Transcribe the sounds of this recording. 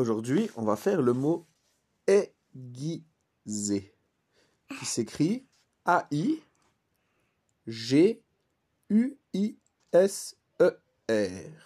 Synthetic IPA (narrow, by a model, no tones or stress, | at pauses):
oʒuʁd̪ɥiɔ̃vafɛʁləmo | ɛ | ɡʲi | ze | kʲisekχi | aʔi | ʒe | y | i | ɛs | ø | ɛʁ